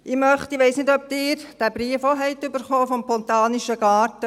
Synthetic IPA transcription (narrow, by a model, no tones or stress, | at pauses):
ɪmœχt̪iʋɛɪsnɪdœp̚t̪ɪːɾd̥æːbɾiəfoɦɛɪt̪ːybəɾχɔːfɔmpɔnt̪ɑːniʃəɡ̥ɑːrtə